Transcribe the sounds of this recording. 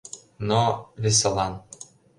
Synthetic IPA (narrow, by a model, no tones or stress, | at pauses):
noβes̬elɑn